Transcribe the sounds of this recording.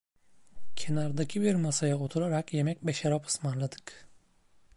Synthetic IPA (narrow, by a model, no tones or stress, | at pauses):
cʰe̞naɾd̪acʰibiɾmasajao̞t̪ʰuɾaɾakje̞mɛc̚beʃaɾapɯ̥smanlˠad̪ɯ̥k